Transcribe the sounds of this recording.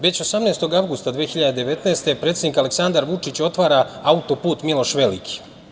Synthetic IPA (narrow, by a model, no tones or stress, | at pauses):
ʋe̞t͡ɕo̞samneːst̪o̞ɡaʋɡust̪ad̪ʋeːxiʎad̪ed̪e̞ʋe̞t̪neːst̪e̞pɾe̞t̪sed̪ikaleksand̪aɾʋut͡ʂit͡ɕo̞t̪ʋaɾaaut̪o̞puːt̪milˠo̞ʃʋe̞lḭkʰi̥